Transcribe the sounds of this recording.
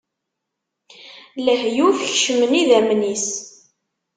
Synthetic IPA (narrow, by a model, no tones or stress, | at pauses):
ləhjufəçʃəməniðæmnis